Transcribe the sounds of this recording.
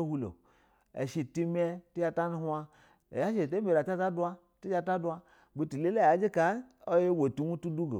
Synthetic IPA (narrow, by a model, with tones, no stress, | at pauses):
hu˧lo̰˨ | ḛ˨ʃi˨˧˨ti˦m˦e˧ti˦ja˧ta˦nu˦ha˧ | ḛ˨ja˦ʃe˨te˦me˨la˨ta˦ta˦du˦a˦ | ti˦d͡ʒa˧ta˦du˦a˧˦ | ɡ͡bi˧ti˨le˦la˦˨a˨˦d͡ʒi˦ka˦o˦je˦we˨tu˨mu˦tu˦du˦ɡo̰˨